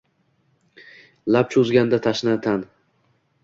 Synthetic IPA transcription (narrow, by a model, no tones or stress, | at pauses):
lap̚t͡ʃʰʊzɡʲand̪at̪ʰaʃnat̪ʰan